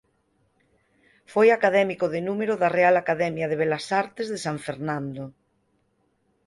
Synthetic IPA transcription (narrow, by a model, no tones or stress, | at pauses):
fojakaðɛmikoðenumeɾoðarealakaðɛmjaðeβelasaɾt̪ezðesaɱfeɾnãnd̪o